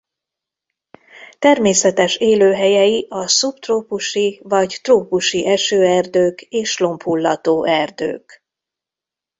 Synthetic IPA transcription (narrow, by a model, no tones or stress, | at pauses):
t̪ɛrmeːsɛt̪ɛʃeːløːɦɛjɛjiʔɒsupt̪roːpuʃivɒɟt̪roːpuʃiʔɛʃøːɛrd̪øːkeːʃlo̞mpʰulːɒt̪oːʔɛrd̪ø̰ːk